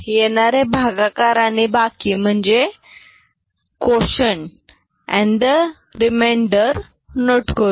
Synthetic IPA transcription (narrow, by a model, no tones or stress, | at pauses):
jenaɾebʱaɡakaɾanibakim̤əɳd͡ʑe | koɕəɳ | ɛ̰̃ɳd̪ə | ɾimaɳɖəɾ | noʈko